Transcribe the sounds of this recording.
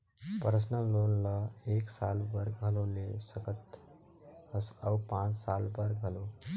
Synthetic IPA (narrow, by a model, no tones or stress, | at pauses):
pəɾəsnəlonlʌeksalbəɾɡɦʌlolesəkət̪ | əsəwpãt͡ssalbəɾɡɦʌlo